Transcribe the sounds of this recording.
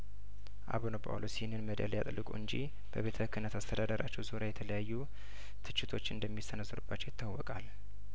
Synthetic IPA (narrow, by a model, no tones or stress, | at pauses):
ʔa̰βunopʰʼa̰wlosihnːɨnməd̪a̰lja̰t̪ʼɨlːɨkʼṵɨnd͡ʒi | b̥əβe̞t̪ʰəhɨkːɨnət̪ʰast̪ʰəd̪ad̪əɾʔat͡ʃːɛwzoɾjajɛt̪ʰələjajːu | t̪ʰɨt͡ʃːɪt̪ʰo̞t͡ʃːɨ̰nd̪əmːisənəsːɨɾubːat͡ʃːɛwjɪt̪ʰːawːɔkʼal